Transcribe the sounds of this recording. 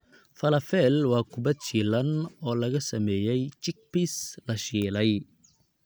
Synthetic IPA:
fɐlɐfɛlwaːkʊbɐt͡ʃilɐnɔːlɐɣɐsɐmɛːjɛjt͡ʃɪk̚pislɐʃiːlɐj

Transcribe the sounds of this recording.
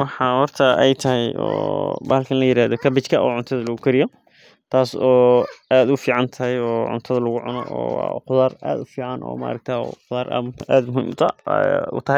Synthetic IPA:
wɑħɑhɔrt̪ʰɐʔɛjt̪ʰɐɦɛjɔ̰ːbaːlkʰɐnlɐjɪɾaːðɔkʰɐbɪt͡ʃkʰɐʔɔːʕʊnt̪ʰɐðɐlɐɣʊkʰɐɾɪjɔ | t̪ʰaːsɔːaːd̪ʊfiːʕɑnt̪ʰɐɦɛjɔːʕʊ̰nt̪ʰɐðɐlɐɣʊʕʊnɔ̰ɔːwqʊðaːra̰ːd̪ʊfiːʕɑnʔɔ̰ːmɐ̰ɐ̰ɾɐk̚t̪ʰaːɔ̰qʊðaːɾʔa̰ma̰ːd̪mʊhḭmt̪ʰɐ̰ʊ̰t̪ʰɐɦɛj

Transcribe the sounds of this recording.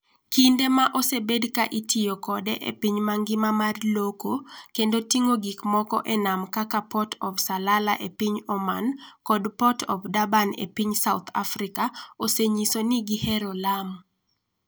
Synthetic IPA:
kindemaʔosebedkaʔitʰijokɔdɛʔḛpiɲmaŋɡɪmamarlokokendotiŋoɡikmɔkɔ̰ʔɛnamkakapɔtɔbsalala̰ʔepiɲɔmankɔdpɔtʰɔ̰bdabanḛpiɲsaut̪ʰa̰fɾikaoseɲisoniɡihɛɾolam

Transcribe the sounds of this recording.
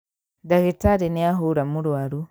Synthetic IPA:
daɣitaɾiniaɦuɾamuɾuaɾu

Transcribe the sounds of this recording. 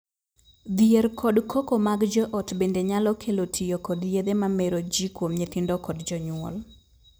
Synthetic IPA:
d̪ɪerkʰɔdkʰokomaɡd͡ʒɔʔɔtbendeɲalɔkʰelotʰijokɔdjed̪emameɾod͡ʒikwomɲet̪ɪndɔkɔdd͡ʒɔɲwɔ̰l

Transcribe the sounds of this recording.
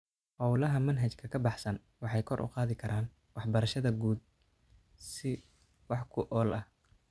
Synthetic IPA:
hɔwlɐɦɐmɐnɦɐt͡ʃkʰɐkʰɐbɑħsɐn | wɑħɑjkʰɔ̰rʔʊ̰qɑːðɪkʰɐɾʔaːn | wɑħbɐɾɐʃɐðɐɡuːd̪̚ | sɪ | wɑħkʰʊʔɔːlɐh

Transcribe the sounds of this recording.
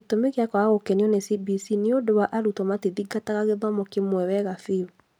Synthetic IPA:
etomeɣeakwaaɣokɛniɔnesibisineodowaʔaɾutɔmatiðiɡataɣaɣeðamokemwɛwɛɣafi

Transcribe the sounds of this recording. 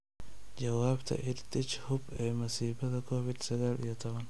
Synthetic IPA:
d͡ʒɐwaːbt̪ʰɐ̰ʔɪd̪t̪ɪt͡ʃhʊbɛmɐsiːbɐt̪ɐkoːfɪd̪sɐɡɐlɪjɐt̪ɐwɐn

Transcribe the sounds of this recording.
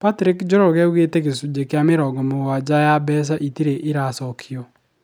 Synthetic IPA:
patɾikd͡ʒoɾɔɣɛuɣeteɣesud͡ʒekjameɾɔɡɔmowad͡ʒajabɛs̬aʔitiɾeʔiɾasɔkʰiɔ

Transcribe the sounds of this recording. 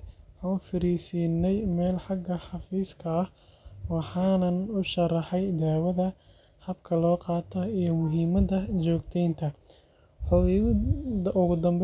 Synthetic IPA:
ʕɑːnfɪɾiːsiːnːɛjmɛːlħɑɡɐħɑfiːskʰɐːh | wɑħɑːnɐnʊʃɐrɑħɛjd̪aːwɐðɐ | hɐbkʰɐlɔːqɑːt̪ʰɔijɞmʊɦiːmɐðɐt͡ʃɔːɡt̪ʰɛjnt̪ʰɐ | ħʊ | ʔʊɣʊd̪ɐmb

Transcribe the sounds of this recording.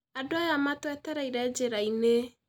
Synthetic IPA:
adoajamatwɛtɛɾaiɾɛd͡ʒeɾaine

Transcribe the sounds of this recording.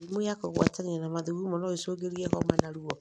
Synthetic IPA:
moakoɣwa̰tanianamaðuɣumɔnɔesoːɡeɾiɛɦɔmanaɾuɔ

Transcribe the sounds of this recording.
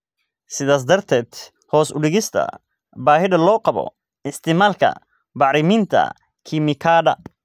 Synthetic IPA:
sɪðaːs̬d̪ɐrt̪ʰɛːd̪̥ | hɔːsʊɖɪɣɪst̪ʰɐ̰ | baːɦɪdɐlɔːqɑβɔ̰ | ɪst̪ʰɪmaːlkʰɐ̰ | bɑʕɾɪmiːnt̪ʰɐ̰ | kʰimɪkʰaːɖɐ̰

